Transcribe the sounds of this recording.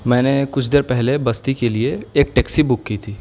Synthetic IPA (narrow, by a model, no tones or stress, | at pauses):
mɛ̃ːnekʊt͡ʃʰd̪eːɾpɛɦlebɐst̪ikelieeːk̚ʈɛːksibʊkːit̪ʰiː